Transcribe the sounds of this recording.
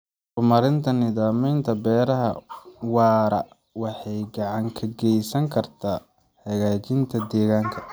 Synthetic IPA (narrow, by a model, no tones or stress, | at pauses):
qʊmɐɾɪnt̪ʰɐnɪðaːmɛjnt̪ʰɐbɛːɾɐɦɐ̰wɑːɾɐ̰ | wɑħɑjɡɑʕɑŋkʰɐɡɛjsɐŋkʰɐrt̪ʰaː | hɐɣaːt͡ʃɪnt̪ʰɐd̪ɛːɣaːŋkʰɐ